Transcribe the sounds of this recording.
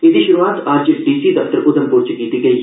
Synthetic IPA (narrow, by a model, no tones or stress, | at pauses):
ɪd̪iːʃʊɾuaːt̪aɾd͡ʒɖiːsiːd̪əft̪əɾʔʊd̪əmpʊɾt͡ʃkiːt̪iːɡəiː